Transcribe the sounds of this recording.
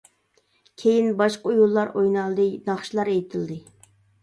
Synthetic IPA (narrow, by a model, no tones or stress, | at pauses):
kʲʰejinbɑʃqəujulˠːɑɾojnɑlˠd̪ɨnɑχʃilˠɑɾejt̪ʰɨld̪ɨ